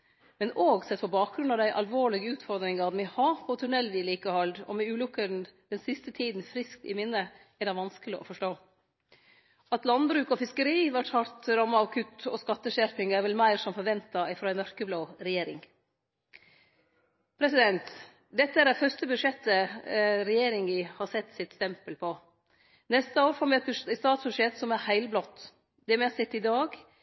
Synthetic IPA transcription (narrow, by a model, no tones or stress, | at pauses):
mɛnoːɡsɛt̪ːpʰɔbɑːk̚ɡɾʉnɑd̪æɪʔɑlʋoːɭɪɡəʉːt̪fɔɾd̪ɾɪŋɑʋmɪhɑːpʰɔt̪ʰʉɳɛlːʋiːliːkəhɑld̪ɔ̰mɛʉːlʉkːən̩d̪̥ɛnsɪst̪ət̪ʰiːd̪n̩fɾɪsk̚t̪ɪ̰mɪnːə | ɛɖ̪ɑɪʋɑnskəlɪʔɔ̰fɔʂʈoː | ʔɑt̪lɑnbɾʉːkɔfɪskəɾiːʋæʈhɑɾt̪ɾɑmːɑɑʋkʰʉt̪ɔ̰skɑt̪ːəʃæɾpɪŋæɾʋɛlmæɪɾsɔmfɔɾʋɛnt̪ɑɪfɾoːɛnmœɾkəbloːɾɛjeːɾɪ̰ŋ | pʰɾɛsɪd̪ɛnt̪ | d̪ɛt̪ːəæɾd̪æfœɾst̪əbʉʂɛt̪ːəɾɛjeːɾɪŋɪhɑsɛt̪ːsɪt̪st̪ɛmpəlpʰɔ | nɛst̪əoːɾfɔːmɛɛt̪̚bʉst̪ɑːt̪sbʉʂɛt̪sɔmæɾhæɪlblɔt̪ː | d̪ɛmɛsɛt̪ːɪd̪ɑːɡ